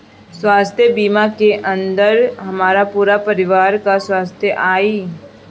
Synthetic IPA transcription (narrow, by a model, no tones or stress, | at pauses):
swaːst̪ʰjəbiːmakeʔə̃nd̪əɾɦɐmaːɾapuːɾapɐɾɪʋaːɾkaswaːst̪ʰjəʔaːiː